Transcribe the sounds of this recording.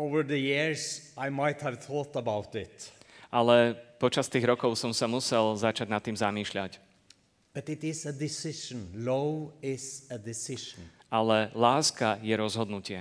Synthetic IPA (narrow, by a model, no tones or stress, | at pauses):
oʊvəɹðəjɪɹsaɪmaɪt̪həvθɔːt̪əbaʊt̪ɪt̪ʔalɛpɔt͡ʃast̪iːɣɾɔkɔʊsɔmsamusɛlzat͡ʃaɟnat̪ːiːmzamiːʃʎac | b̥ʌt̪ɪt̪ɪzəd̪ɪsɪʃə̃n̩loʊɪzəd̪ɪsɪʃə̃n̩ʔalɛlaːskajɛɾɔzɦɔd̪nucɪɛ